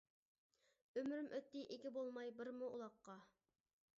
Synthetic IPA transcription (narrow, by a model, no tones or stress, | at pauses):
ømɾymʔøt̪ːɪʔekʲibolˠmɑjbɪɾmuṵlˠɑqːɑ